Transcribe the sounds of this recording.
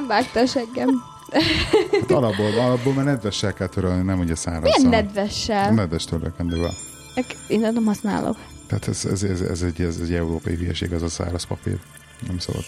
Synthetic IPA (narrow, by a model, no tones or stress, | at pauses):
mvaːkt̪ɒʃɛŋɡɛm | at̪ɒlɒbːoːlɒlɒbːoːlmaːrnɛd̪vɛʃːɛlkɛlt̪øɾølninɛmuɟɛsaːɾɒijɛnnːɛd̪ʋɛʃːɛlnɛd̪vɛʃt̪ʰølø̰kɛnd̪øːvɛ̰l | nɛkeːnːɛnɛmhɒsna̰ːlʔo̰k | t̪aːt̪ʰɛzɛ̰zɛzɛ̰zɛɟɛzɛɟɛuɾoːpɒjivyjɛ̰ʃḛːɡɛzɒsa̰ːɾɒspɒ̰pḭːr | nɛmso̰bɒ̰d̪